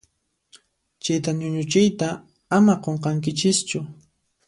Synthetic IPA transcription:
t͡ʃajt̪anʊɲʊt͡ʃɪjt̪a | amaqoɴqɑŋkɪt͡ʃɪst͡ʃʊ

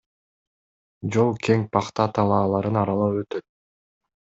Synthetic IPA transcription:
d͡ʒo̞lˠkʰeŋpʰɑqt̪ɑt̪ʰɑlˠɑːlˠɑɾɯnɑɾɑlˠɯøt̪øt̪̚

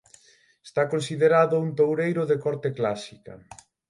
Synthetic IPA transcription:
est̪akonsiðeɾaðʊunt̪owɾejɾʊðekɔɾt̪eklasikɐ̰

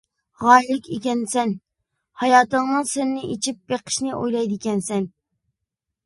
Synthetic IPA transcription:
ʁɑːjlɪkʲʰekʲɛnsɛn | hɑjɑːt̪əŋnɨŋsɪnːɪʔit͡ʃʰip̚b̥eqʰə̥ʃnɪʔo̰jlˠɑjd̪ɪkʲɛnsɛn

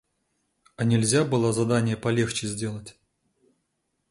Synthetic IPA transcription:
ɐnʲɪlʲzʲabɨlˠazɐd̪anʲɪjəpɐlʲe̞xt͡ɕɪzʲdʲe̞lˠətʲ

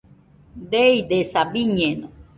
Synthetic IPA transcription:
d̪eid̪esabiɲeno

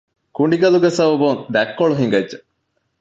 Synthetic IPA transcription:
kuɳɖiɡɐluɡesɐbɐbund̪ækːoɭuɦiŋɡɐdʒe

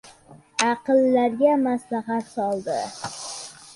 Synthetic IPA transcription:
ɑqɨlːaɾɡʲamaslaɦat̪sɒlˠd̪ɪ

